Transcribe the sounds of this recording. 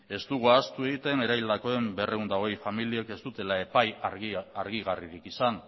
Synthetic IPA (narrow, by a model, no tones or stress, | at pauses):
e̞zt̪uɣ̞uast̪ue̞ɣit̪e̞ne̞ɾajld̪ako̞e̞mbe̞reund̪aoejfamilieke̞st̪ut̪e̞lae̞pajaɾɣiɣariɾikisan